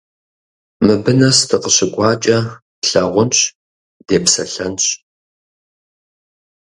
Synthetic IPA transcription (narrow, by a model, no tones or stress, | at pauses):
mɨbɨnɐstʰɨqəɕɪɡʷʼɑːt͡ʃʼɐ | ɬɐʁʷʊnɕ | d̥eːpsɐ̰ɬɐnɕ